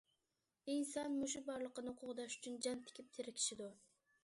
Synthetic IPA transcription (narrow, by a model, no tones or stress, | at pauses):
insɑnmuʃ̬ubɑɾlˠəqənɨhʊqʰʊʁd̪ɑʃy̥t͡ʃʰynd͡ʒɑnt̪ʰɪ̥kʲip̚t̪ʰɪɾɪkʲʰi̥ʃid̪u